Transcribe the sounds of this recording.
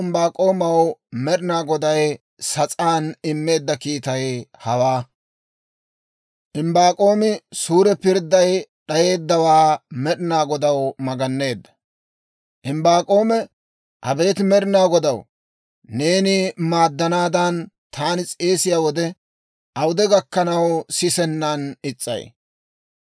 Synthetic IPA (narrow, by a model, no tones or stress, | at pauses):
ɪmbaːkʼo̞ːmɐwmɛɗɪnaːɡɔd̪ɐj | sɐt͡sʼaːnɪmːe̞ːd̪ːɐkiːt̪ɐjhɐwaː | ʔɪmbaːkʼo̞ːmɪsuːɾɛpɪɾd̪ːɐjɗɐje̞ːd̪ːɐwaːmɛɗɪnaːɡɔd̪ɐwmɐɡɐnːe̞ːd̪ːɐ̥ | ʔɪmbaːkʼo̞ːmɛ | ʔɐbe̞ːt̪mɛɗɪnaːɡɔd̪ɐw | ne̞ːnɪmaːd̪ːɐnaːd̪ɐnt̪ʰaːnɪt͡sʼe̞ːsɪjaːwɔd̪ɛ | ʔɐwd̪ɛɡɐkːɐnɐwsɪsɛnːɐnɪt͡sʼːɐ̰j